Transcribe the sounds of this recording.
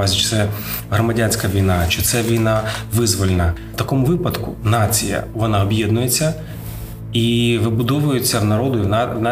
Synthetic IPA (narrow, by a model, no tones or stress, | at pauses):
azʲit͡ʃɪ̥t̪sɛ | ɦɾɔmɐdʲanʲsʲkɐʋʲijnɑt͡ʃɪt̪sɛʋʲijnɑʋɪzʋɔlʲenɐ | t̪ɐkɔmʊʋɪpɐd̪kʊ̰nɑt͡sʲijɐ̰ʋɔnɑɔbʲjɛd̪nʊje̞t͡sʲːɐ | iʋɪbʊd̪ɔʋʊjʊt͡sʲːɐʋnɐɾɔd̪ʊjnna